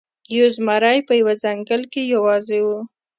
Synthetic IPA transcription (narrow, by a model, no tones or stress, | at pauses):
jozmɑɾɑjpəjawazaŋɡəlkejawɑzewu